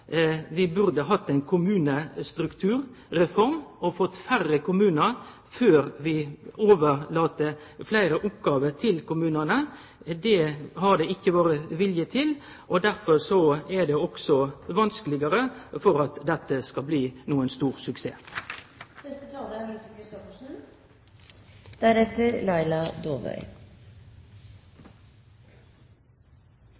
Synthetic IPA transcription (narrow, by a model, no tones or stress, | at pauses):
ʋɪbʉɾd̪əɦɑt̪ːɛɪnkʰʊmʉːnəst̪ɾʉkt̪ʰʉːɾɾɛfɔɾmɔfɔt̪ːfærːəkʊmʉːnəɾ | føːɾʋɪoːʋəɾlɑːt̪ə | flæɪɾəʔʊpɡɑːʋət̪ʰɪlkʊmʉːnənə | d̪ɛhɑɖ̪ɛɪçːəʋoːɾəʋɪljət̪ʰɪl | ʔɔd̪æɾfɔɾsɔæd̪ɛɔksɔʋɑnskəlɪɡəɾəfɔɾɑt̪d̪ɛt̪ːəskɑlbliːnuːənst̪uːʁsʉksḛː | dɛst̪ət̪ʰɑːld̪əmist̪əkʰɾɪst̪ɔfəʂn̩ | d̪̥æɾɛt̪ːəɾlɑɪlɑd̪oːʋœ̰ʏ